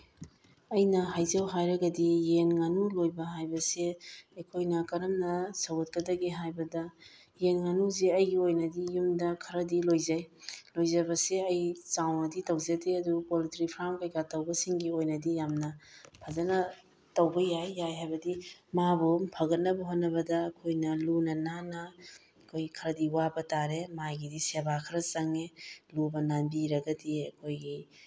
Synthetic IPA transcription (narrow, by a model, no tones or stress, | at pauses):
ɐjnɐɦajzɐwɦajɾɐɡɐdijenŋanulojbɐɦajbɐseɐjkʰojnɐkɐɾɐmnɐsɐwɐt̚kɐdɐɡiɦajbɐdɐ | jenŋanuzeɐjɡiojnɐdijumdɐkʰɐɾɐdilojzajlojzɐbɐseɐjsawnɐditɐwzeteɐdupolitɾipʰɾamkɐjɡatɐwbɐsiŋɡiojnɐdijamnɐpʰazɐnɐ | tɐwbɐjajːajɦajbɐdimabumpʰɐɡɐt̚nɐbɐɦot̚nɐβɐdɐːkʰojnɐlunɐnanɐ | kʰojkʰɐɾɐdiwabɐtaɾemaɡidisebakʰɐɾɐsɐŋelubɐnanbiɾɐɡɐdiɐkʰojɡi